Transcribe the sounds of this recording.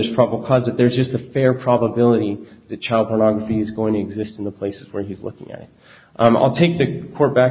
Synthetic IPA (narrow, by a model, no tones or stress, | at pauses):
ə˞z̥pʰɹ̥ɑbəbl̩ˠkʰɔzðɨt̪̚ðə˞zd͡ʒʌstɨfɛɹpʰɹ̥ɑbəbɪlˠəɾiðɨt̚t͡ʃʰaɪlˠd̚pʰɔɹnɑɡɹəfiɨzɡoʊɪ̃ŋtʰɨɨɡzɪstn̩ðəpʰl̥eɪsɨzwə˞izlʊ̰kɪ̰̃ŋɨ̰ɾɨ̰t̚ | a̰ɪlˠtʰeɪk̚ðɨkʰɔɹt̚b̥æk